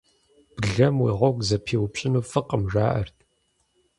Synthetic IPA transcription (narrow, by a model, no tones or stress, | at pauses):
b̥ɨɮɐmwiːʁʷɔɡʷʼzɐpʰeːwʊpɕʼɪnuːfɨqəmʒʷaːʔɐ̰rtʰ